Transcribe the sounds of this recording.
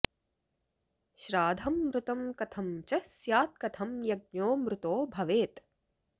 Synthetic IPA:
ʃɾaːd̪ʱɐmːɾʊt̪ɐmkɐt̪ʰɐmt͡ʃɐsjaːt̪̚kɐt̪ʰɐmjɐɡ̚ɲoːmɾʊt̪oːbʱɐʋeːt̪

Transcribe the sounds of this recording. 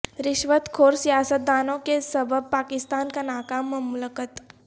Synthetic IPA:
ɾɪʃʋət̪kʰoːɾsijaːsət̪̚d̪aːnõkesɐbʱəb̚paːkɪst̪aːnkanaːkamɐmləkət̪

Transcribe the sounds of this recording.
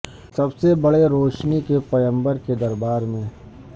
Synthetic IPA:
sɐbsebɐɽeɾoːʃnikepɐjə̃mbəɾked̪ɐɾbaːɾmẽ

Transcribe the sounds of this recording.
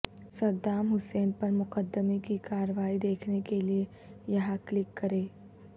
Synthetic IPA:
sɐɾd̪aːmɦʊseːnpɐɾmʊqəd̪ːəmekikaːɾəʋaːid̪eːkʰnekelie | jɐɦãklɪkːɐɾeː

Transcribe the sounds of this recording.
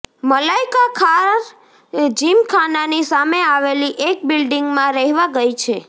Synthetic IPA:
məlaikakʰaɾ | d͡ʒimkʰananisameaʋeliʔek̚bilɖiŋɡmãɾɛɦʋãɡəjt͡ʃʰe

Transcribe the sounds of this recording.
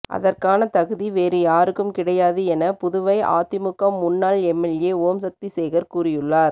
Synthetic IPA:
ʔɐ̰ðɐrkaːnɐt̪ɐɣɯðiʋeːɾɯjaːɾɯkːɯmkɪɽɐjaːðɯɛnɐpʊðʊʋɐɪʔa̰ːt̪ɪmʊkːɐmːʊnːaːlɛmːɛljeːoːms̬ɐk̚t̪isɛːɣɐɾkuːrɪjɯɭːaːɾ

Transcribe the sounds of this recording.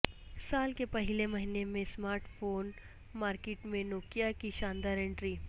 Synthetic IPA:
saːlkepɐɦɪlemɐɦinemẽsmaːɾʈfʰoːn | maːɾkeːʈmẽnoːkjakiʃãːnd̪aːɾẽɳʈɾiː

